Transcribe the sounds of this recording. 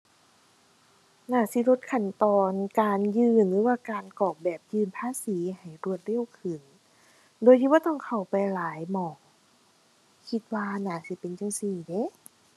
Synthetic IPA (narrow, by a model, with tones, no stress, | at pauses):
naː˧˩si˧˦lo˧t̪̚kʰa˧˩nt̪ɔː˧nkaː˨njɯː˧nlɯː˨˦waː˧kaː˨nkɔː˨˩k̚bɛː˨˩p̚jɯː˧npʰaː˧˥˨siː˨˦ha˨˩jɾu˧˩ət̪̚ɾe˧˥˨wkʰɯ˨˩n | doː˧˦jt̪i˧˦bɔː˧˦t̪ɔː˧˥˨ŋkʰa˨˩wpa˨jlaː˨˦jmɔː˨˩ŋ | kʰi˧t̪̚waː˧naː˧˩si˧˦pe˨nt͡ɕa˧ŋsiː˧˩de˧˦˨